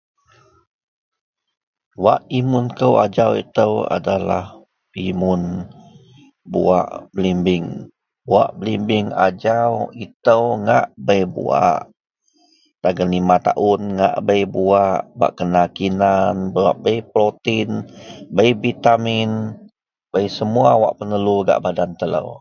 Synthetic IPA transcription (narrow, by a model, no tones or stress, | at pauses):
waʔimʊnkəwa̰d͡ʒawḭt̪əwa̰dala̰h | pimʊn | bṵa̰ʔbəlimbɪŋ | bua̰ʔbəlimbɪŋad͡ʒawit̪əwŋa̰ʔbəjbṵa̰ʔ | t̪aɡənlimat̪a̰ʔʊnŋa̰ʔbəjbuaʔba̰ʔkənakinanbwa̰ʔbəjpɾot̪inbəjvit̪amɪn | bəjsəmuawa̰ʔpənəluɡa̰ʔbadant̪ələ̰w